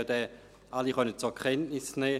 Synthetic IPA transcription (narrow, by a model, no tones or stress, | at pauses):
ədɛ | ʔaliχœnənt͡suɐkʰɛntnɪsnɛː